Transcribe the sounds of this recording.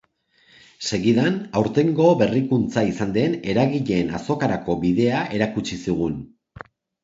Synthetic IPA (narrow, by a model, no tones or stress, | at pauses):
se̞ɣiðanawɾt̪e̞ŋɡo̞βe̞rikunt͡saisand̪e̞ne̞ɾaɣiʎe̞ːnaso̞kaɾako̞βiðe̞aʔe̞ɾakut͡ʃisiɣ̞un